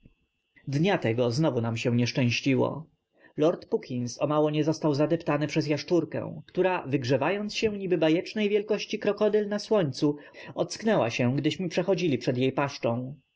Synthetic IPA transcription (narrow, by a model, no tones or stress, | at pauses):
d̪ɲat̪ɛɡɔznɔvunamɕɛ̃ɲɛʂt͡ʂɛ̃w̃ɕt͡ɕiwɔ̰ | lɔɾt̪pukʲʰinsɔmawɔɲɛzɔst̪awzad̪ɛpt̪anɘpʂɛzjaʂt͡ʂuɾkɛ̰̃w̃kt̪uɾavɘɡʐɛvajɔnt̪sɕɛ̃ɲibɘbajɛt͡ʂnɛjvʲjɛlkɔɕt͡ɕikɾɔkɔd̪ɛlnaswɔɲt̪su | ɔt̪sknɛwa̰ɕɛ̃ɡd̪ɘɕmɘpʂɛxɔd͡ʑilʲipʂɛd̪jejpaʂt͡ʂɔ̃w̃